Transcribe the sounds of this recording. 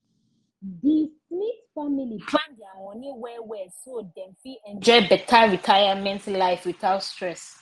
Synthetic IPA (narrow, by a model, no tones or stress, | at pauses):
dismitfamilipʰlãndiamɔ̃niwɛwɛsodɛ̃nfiɛ̃nd͡ʒɔɪbɛtʰaɹitʰajamɛ̃ntlaɪfwiθaʊtstɹɛs